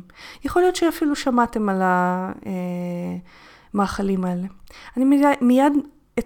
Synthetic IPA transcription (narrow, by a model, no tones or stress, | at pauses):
jeχo̞lijo̞t̪ʃeafiluʃamate̞malae | maːχalimae̞le̞animmijad̪ | e